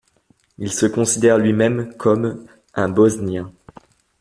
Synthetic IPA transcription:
ilsəkɔ̃sid̪ɛʁlɥimɛmkʰɔm | ɛ̃bɔznjɛ̃

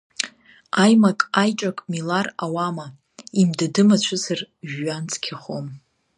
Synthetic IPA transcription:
ajmakʼajt͡ʃʼakʼmilarawama | imdadɨmat͡ɕʷʰɨzɨrʒːant͡sʰʼkʲʰaχom

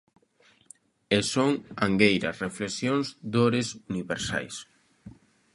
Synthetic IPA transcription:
esoŋaŋɡejɾɐsreflesjoŋzd̪oɾesuniβeɾsa̰js

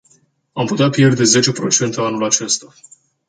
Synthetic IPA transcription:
amput̪eapje̞rd̪e̞ze̞t͡ʃe̞pɾo̞̰t͡ʃe̞nt̪eanulat͡ʃe̞st̪a

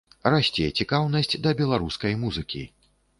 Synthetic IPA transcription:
rasʲt͡sʲejt͡sʲikawnɐsʲd͡zʲd̪ɐbʲɛlˠaɾuskɐjmuzɨkʲḭ

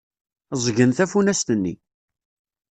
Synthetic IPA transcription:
zˤʝənθæfunæst̪ənːḭ

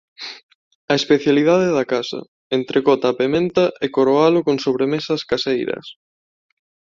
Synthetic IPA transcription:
ɐespeθjalið̞að̞eðakasɐ̰ | ent̪ɾʔekɔt̪apemẽnt̪ɐʔekoɾoalʊkoŋsoβɾemesɐskasejɾɐ̰s

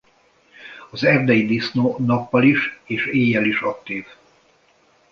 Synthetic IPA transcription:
ɒzɛvd̪ɛjid̪isnonɒpːɒliʃeːʃeːjːɛliʃɒk̚t̪iːv

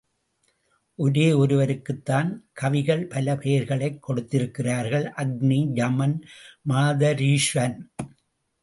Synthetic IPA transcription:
ʔɔɾeːɔɾɯʋɐɾɯkːɯt̪ːaːnkʰɐʋɪɣɐɭpɐlɐpʰeːɾɣɐɭɐɪkːɔɽɯt̪ːɪɾɯkːɪraːɾɣɐɭʔɐɡ̚nid͡ʒɐmɐnmaːðɐɾiːʂʋɐn

